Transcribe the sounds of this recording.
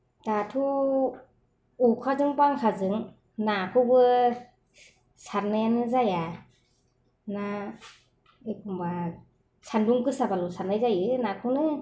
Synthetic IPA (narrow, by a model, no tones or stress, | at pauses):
tatʰu | ukʰazɯŋpaŋkʰazɯŋ | nakʰubɯ | sanenɯzaja | na | ɯkumba | sʰanduŋkɯsabalusanajzajɯnakʰunɯ